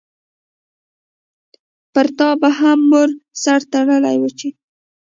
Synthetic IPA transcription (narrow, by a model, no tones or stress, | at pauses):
pəɾt̪ɑbaɦamːoɾsaɾt̪aɽəla̰jwət͡ʃe